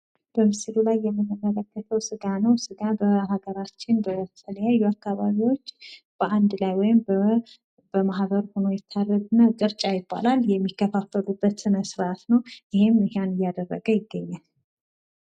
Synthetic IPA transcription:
b̥əmɨsɨlulajːɛmːɨnːɨmːələkːət̪ʰəwsɨɡanəwsɨɡabəɦaɡəɾat͡ʃːɪnbət̪t̪ʰələjajːuakːaβaβiwo̞t͡ʃː | b̥əʔand̪lajwɔjɪm | bəmaɦbəɾho̞no̞jɛt̪ʰːarəɡnəkʼɨɾt͡ʃʼajɪbːa̰laljɛmːikːəfafːəlubːət̪sɨnəsɨɾat̪nəwjɪhemɨhanɨjːad̪ərːə̰ɡəjɪɡːəɲːal

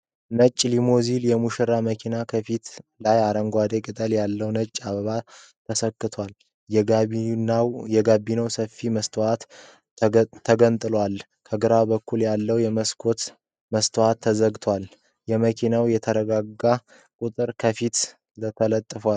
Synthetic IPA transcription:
nət͡ʃʼːlimoziljɛmuʃɨɾaməkʰinakʰəfit̪lajaɾəŋɡʷad̪ekʼɨt̪ʼəljalːəwnət͡ʃʼːaβəβa | t̪ʰəsəkːɨt̪ʰwal | nwjɛɡabːinəwsəfːiməst̪ʰoat̪ | t̪ʰːəɡənt̪ʼɨlwal | kʰəɡɨɾabəkʰːuljalːəwjɛməskʰo̞t̪ | məst̪ʰohat̪ʰːəzəɡt̪ʰwal | jɛməkʰinawjɛt̪ʰəɾəɡaɡːa | kʼut̪ʼɨɾkʰəfit̪ | lət̪ʰələt̪ʼːɨfwal

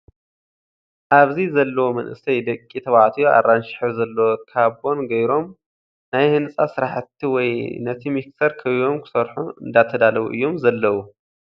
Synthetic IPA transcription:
ʔaβzizɐlːɐwomɐnʔɨ̰sʰɐjd̪ɐkʼːit̪ʰɐβaʕt̪ʰijoa̰rːanʃɪ̥ħuzɐlːɐwokʰaβʔo̞nɡɐjɾo̞m | najhɨnsʼasɨɾaħɨt̪ʰːiwɔjnɐt̪ʰimikt̪ɐɾkʰɐβio̞mkʰɨ̥sɐɾħuɨ̰nd̪at̪ʰɐd̪alɐwṵʔɨ̰jːomzɐlːɐwu

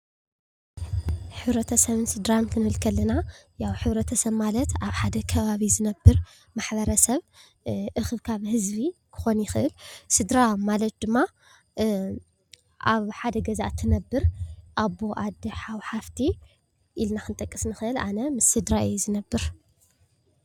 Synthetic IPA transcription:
ħɨβɾɐt̪ʰɐsɐβɨnsɨd̪ɾank̪ʰɨnɨhɨlkʰɐlːɐnajawħɨβɾɐt̪ʰɐsɐβmalɐt̪aβħad̪ɐkʰɐβaβizɨnɐbːɨɾ | maħbɐɾɐsɐβ | ʔɨxɨβkʰaβhɨzβikʰɨ̥xo̞njɪxɨʔɨlsɨd̪ɾamalɐt̪̚d̪ɨmːa | ʔaβħad̪ɐɡɐza̰ʔt̪ʰːɨnɐbːɨɾʔaβo̞ʔad̪ɐħawħaft̪ʰi | ʔilnaxɨnt̪ʼɐkʼːɨsnɨxɨɨla̰nɐmɨsːɨd̪ɾaʔɨjːuzɨnɐbːɨɾ

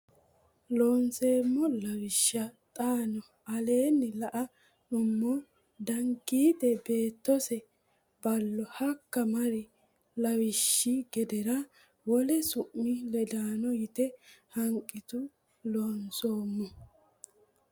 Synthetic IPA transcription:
loːnseːmːɔlɐwɪʃːɐt̪ʼaːnɔ | ɐle̞ːnːɪlɐʔɐ | nʊmːɔ | d̪ɐŋɡiːd̪ɛbe̞ːt̪ːɔsɛ | bɐlːɔhɐkːɐmɐɾɪ | lɐwɪʃːiɡɛd̪ɛɾɐ | wɔlɛsʊʔːɪlɛd̪aːnɔjɪt̪ɛhɐŋkʼːɪt̪ʊ | loːnsoːmːɔ

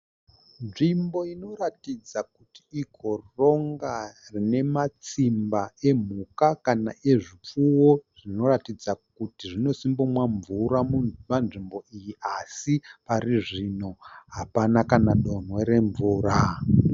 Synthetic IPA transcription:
nʐimbo̞ino̞ɾatid͡zakutiːkʰo̞ro̞ŋɡarine̞mat͡simbae̞m̤ukakana̰ʔe̞ʐip͡fuwo̞ʐ̥ino̞ratid͡zak̚utiʐino̞simbumwaɱvuɾamumanʐimbo̞ʔijiʔasipariʐino̞ɦapanakanaɗo̞nwe̞ɾe̞ɱvuːra

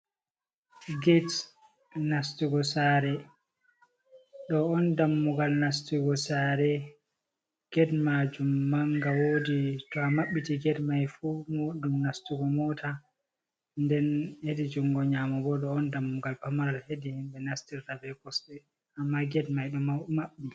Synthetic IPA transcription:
ɡɛt | nastiɡɔsaɾɛ | ɗɔɔndamːuɡalnastiɡɔsaːɾɛ | ɡ̥ɛdmad͡ʒumːaŋɡawoditɔamaɓːitiɡɛdmajfumoɗumnastuɡɔmɔtʰa | ndɛnhedid͡ʒuŋɡɔɲaːmɔbɔɗɔːndamːuɡalpamaɾalhedihimɓɛnastiɾːabɛkɔsɛ | amːaɡɛdmajɗɔmamaɓːili

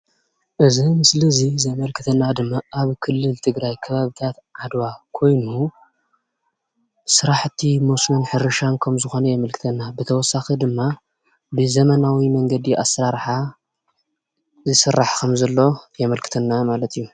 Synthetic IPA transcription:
ʔɨzimɨslizizɐmɐlkʰɨt̪ʰɐnːad̪ɨmːaʔaβkʰɨlːɨlt̪ʰɨɡɾajkʰɐβaβit̪ʰat̪ʕad̪wakʰo̞jnu | sɨɾaħt̪ʰimosmɐnħɨɾɨʃankʰɐmzɨxo̞nɐjɛmɐlkʰɨ̥t̪ʰɐnːabɨt̪ʰɐwɔsːaxid̪ɨmːa | bɨzɐmɐnawimɐŋɡɐd̪iʔa̰sɾaɾħa | zɨsɨrːaħkʰɐmzɐlːo̞jɛmɐlkʰɨ̥t̪ʰɐnːamalɐt̪ʰijːu

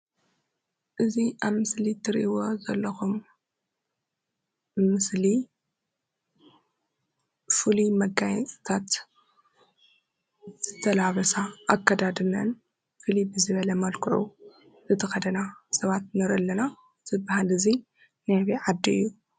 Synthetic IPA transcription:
ʔɨziʔaβmɨslit̪ʰɨɾʔiwozɐlːɐxum | ɨsli | fulimɐɡajɛt͡sʼt̪ʰat̪ | z̥ɨt̪ʰɐlaβɐsaʔːkʰːɐd̪ad̪ɨnɐn | fɨlibɨzɨβɐlɐmɐlkʰɨʕṵ | zɨt̪ʰɐxɐd̪ɐnasɐβat̪̚nɐɾɨlːɐna | zɨbahalɨzi | najβiʕad̪ːiɨjːu

